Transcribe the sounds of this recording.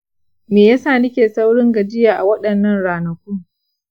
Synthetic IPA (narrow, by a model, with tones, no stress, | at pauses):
meː˨jaː˦saː˦˨nɪ˦kʲeː˨sa˦wɽɪ˦ŋɡɐ˨d͡ʒɪ˦jaː˨ʔa˨wɐ˦ɗɐ˨nːɐ˦nɽaː˨nɐ˨kʷʊ˦ŋ